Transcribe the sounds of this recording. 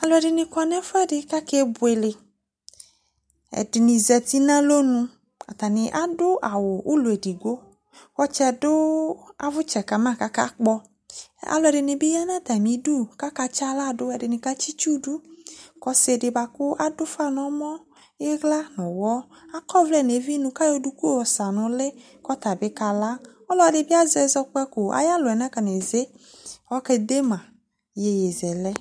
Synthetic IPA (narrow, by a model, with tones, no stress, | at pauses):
a˧lɔ˧ɛ˨dɪ˧nɪ̃˧kʷa˨˧nɛ˦fɛ˦dɪ˧ka˦ke˦bʊ˨e˨lɪ˨ | ɛ̰˨dɪ˨ni˧zɛ˧t̪i˦nã˦lo˦nũ˧ | a̰˨t̪a˨nɪ˧ʔa˦dʊ˦ʔa˨wʊ˨ʔu˦lu˨e˨di˨ɡo˦ | kɔ˧t͡ʃɛ˧dʊ˦a̰˨vʊ˦t͡ʃɛ˨ka˨mã˦˨ka˦ka˦k͡pɔ˧ | a̰˨lɔ˧ɛ˧˨dɪ˧nɪ˧bi˦ja˦nã˦˨t̪a˨mĩ˨˦du˦˨ka˦ka˧t͡ʃa˦la˦˨dʊ˦ɛ˧dɪ˧nɪ̃˧ka˦t͡ʃi˦t͡ʃu˦du˦kɔ˦se˨dɪ˨ba˨kʊ˦ʔa˨dʊ˦fa˦nɔ˨mɔ˦ | e˦ɣla˦nɔ̃˨wɔ˦ | a˦kɔ˦vlɛ˦˨ne˨vi˦nũ˦ka˦jo˦du˦ku˦wɔ˨sa˨nʊ̃˨le˦ | kɔ˦t̪a˨bɪ˦ka˨la˦ | ɔ˦lɔ˨˦ɛ˨dɪ˨bi˦a˦zɛ˨zɔ˧k͡pɛ˦kʊ˨a̰˨ja˦lʊ˨ɛ˨nã˦ka˨n˨e˨ze˦wɔ˦kɛ˦d̪e˦mã˨ | je˨je˨zɛ˨lɛ˦